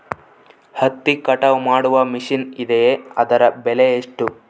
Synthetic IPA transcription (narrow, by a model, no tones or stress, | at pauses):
hɐt̪ːikɐʈɐʋmaːɽuʋɐmiʂinid̪ejeɐd̪ɐɾɐbɛlejeʂʈu